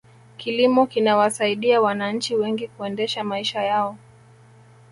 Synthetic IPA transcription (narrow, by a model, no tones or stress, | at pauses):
kilimɔkinawasaiɗiawanaɲ̩t͡ʃiwɛŋɡikuɛndɛʃamaiʃajaɔ